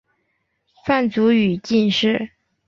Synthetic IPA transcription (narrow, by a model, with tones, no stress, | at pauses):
fa˥˩nt͡su˧˥y˨˩t͡ɕi˥˧nʂɻ̩˥˩